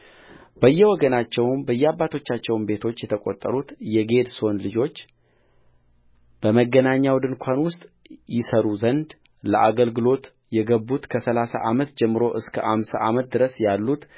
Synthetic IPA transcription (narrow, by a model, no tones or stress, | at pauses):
bəjːɛwɔɡənat͡ʃːɛwnbəjːɛabːat̪ʰo̞t͡ʃːat͡ʃːɛwnbe̞t̪ʰo̞t͡ʃːjɛt̪ʰəkʼot̪ʼːə̰ɾut̪jɛɡe̞d̪so̞nlɨd͡ʒo̞t͡ʃː | b̥əməɡːənaɲːawd̪ɨnkʷʰanwʊst̪ʼ | jɪsəɾuzənd̪ | ləʔaɡəlɡɨlo̞t̪ | jɛɡəbːut̪kʰəsəlasa̰ʔamət̪d͡ʒɛmːɨɾo̞ʔɨskʰəʔamsaʔamət̪̚d̪ɨɾəsjalːut̪